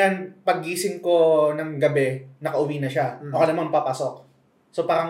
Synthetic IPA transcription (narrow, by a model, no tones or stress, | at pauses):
anpɐɡiːsɪŋko̞nɐŋɡɐbɛnɐkɐʔʊwiːnɐʃaʔokɐnɐmanpapaso̞k̚ | sopaːɾɐŋ